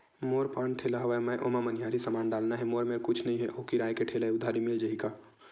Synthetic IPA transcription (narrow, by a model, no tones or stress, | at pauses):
moːɾpãːɳʈʰeːlaɦɐʋamə̃ʔoːmamənijaːɾisəmaːnɖaːlnaɦɛmoːɾmeːɾkʊt͡ʃʰnɐɦĩɦɛʔoːkiɾaːjkeʈʰeːlaeʊd̪ʱaːɾimɪld͡ʒəɦika